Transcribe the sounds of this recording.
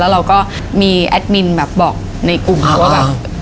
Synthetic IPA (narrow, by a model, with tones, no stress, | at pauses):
ɛː˦˥ɾa˧wkɔː˥˩ | miː˧ʔɛ˦˥t̪̚mi˧nbɛː˨˩p̚bɔː˨˩k̚ | na˧jku˨˩mʰa˧˦˩waː˥˩bɛː˨˩